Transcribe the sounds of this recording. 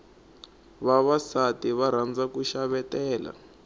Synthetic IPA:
βaβasatiβaɾ̤and͡zakuʃaβɛtɛːla̰

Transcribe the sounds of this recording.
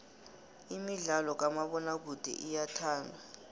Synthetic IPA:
imiɮalɔk̬amaɓɔnak̬ud̥ʱɛ̰ʔijatʰaːndʱa

